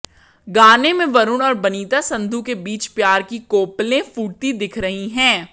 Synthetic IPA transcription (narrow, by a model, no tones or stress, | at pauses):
ɡaːnemẽʋɐɾʊnɔːɾbɐniːt̪asɐ̃nd̪ʱukebiːt͡ʃpjaːɾkikoːplẽfuːʈ̚t̪id̪ɪkʰɾɐɦiɦɛ̃ː